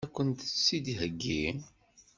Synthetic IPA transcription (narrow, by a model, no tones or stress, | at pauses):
ækʷːənt̪sːid̪iɦəɡːin